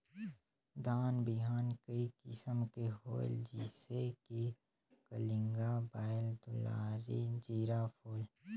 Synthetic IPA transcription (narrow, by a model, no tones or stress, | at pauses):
d̪aːnbɪɦaːnkəikɪsəmkeɦo̰ːld͡ʒiːseki | kəlɪ̃ŋɡabaːəld̪ʊla̰ːɾid͡ʒiːɾapʰoːl